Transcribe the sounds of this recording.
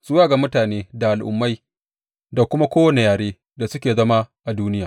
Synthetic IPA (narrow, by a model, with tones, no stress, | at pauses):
sʊ˦waː˦˨ɡa˨mʊ˦taː˨neː˦da˨ʔa˨lʔʊ̰˨mːa˦j | da˨kʷʊ˦ma˦kʷoː˦wɐ˨ne˨jaː˨ɽeː˦ | da˨sʊ˦kʲeː˨zɐ˦ma˦ʔa˨duː˦nɪ˦jaː˨